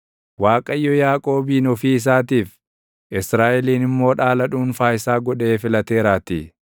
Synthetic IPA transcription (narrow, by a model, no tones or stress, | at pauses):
waːkʼɐjːɔjaːkʼo̞ːbiːnɔfiːɪs̬aːt̪iːf | ʔɪsɾaːʔɛliːnɪmːo̞ːᶑaːlɐᶑuːnfaːjɪsaːɡɔᶑe̞ːfɪlɐt̪e̞ːɾaːt̪ḭ